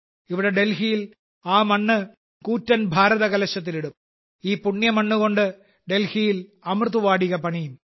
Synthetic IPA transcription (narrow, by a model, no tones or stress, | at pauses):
ɪʋɪɽɐɖelɣɪjɪl | aːmɐɳːɯ | kuːtɾɐnbʱaːɾɐðɐkɐlɐʂːɐt̪̬ːɪlɪɽɯm | iːpːʊɳːjɐmɐɳːɯkoɳɖɯ | ɖelhɪjɪlɐmrðɯʋaːɽɪɣɐpːɐɳijɯm